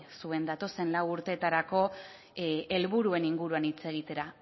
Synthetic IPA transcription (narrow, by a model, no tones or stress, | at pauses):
sue̞nd̪at̪o̞se̞nlawuɾt̪e̞ːt̪aɾako̞ | e̞lβuɾue̞niŋɡuɾuanit͡se̞ɣ̞it̪e̞ɾa